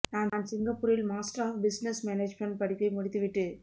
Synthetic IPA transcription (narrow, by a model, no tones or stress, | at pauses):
naːnnaːnsɪŋɡɐpːʊːɾɪlmaːsʈɐɾaːfbɪsnɛsmɛneːd͡ʒmɐɳɖ̚pɐɽɪk̪ːɐɪmʊɽɪt̪ːɯʋɪʈːɯ